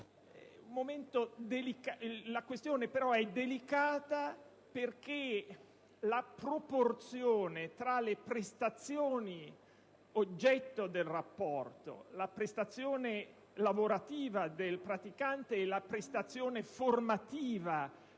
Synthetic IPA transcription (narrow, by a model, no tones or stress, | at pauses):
ɛumːoment̪od̪elikalakwest̪joːnepeɾɔɛd̪ːelikaːt̪a | perk̟e | lapɾoport̪sjoːnet̪ɾalepɾest̪at̪sːjoːni | od͡ʒːɛt̪ːod̪elrapːɔrt̪o̰lapɾest̪at̪sːjoːne | lavoɾat̪iːvad̪elpɾat̪ikant̪eːlapɾest̪at̪sːjoːneformat̪iːva